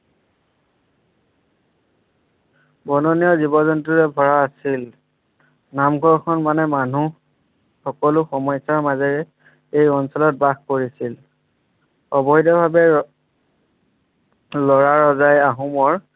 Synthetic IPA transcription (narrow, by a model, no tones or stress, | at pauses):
bɔnɔnijɔzibɔzɔntɹuɹɛbʱɔɹaːsil | namɡʱɔɹkʰɔnmanɛmanu | xɔkɔlʊxɔmɔjsaɹmazɛɹɛ | ejɔnsɔlɔt̚baxkoɹisil | ɔbɔjdɔbʱabɛ | lɔɹaɹɔzajaɦumɔɹ